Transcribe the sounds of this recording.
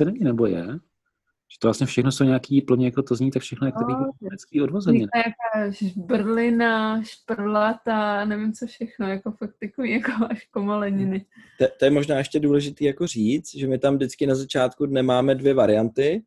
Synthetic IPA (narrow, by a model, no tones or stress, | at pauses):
sɛnɛɲiːnɛbojɛ | ʒ̥ɛt̪ovlasɲɛfʃɛxnosowɲaːkiːpl̩ɲɪjakot̪ozɲiːt̪akfʃɛxnojakot̪iɛɾɛt͡skiːodvozɛɪakaːʒʒbrlɪnaʃprlat̪anɛvɪmt͡sofʃɛxnojakofak̚t̪ɪkovijakoaʃkomolɛɲɪnɪt̪ɛt̪ojɛmo̞ʒnaːʔɛʃcɛduːlɛʒɪt̪iːjako̞r̝iːt͡st̪ʒɛmɪt̪amdɪt͡skɪnazat͡ʃaːt̪kudnɛmaːmɛdvjɛvaɾɪjant̪ɪ